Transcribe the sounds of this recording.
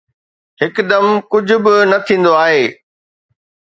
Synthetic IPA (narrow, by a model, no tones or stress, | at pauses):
hɪkd̪ɐmkʊd͡ʑʱʊ̆bɪnɐt̪ʰĩːn̆d̪oaːɦeː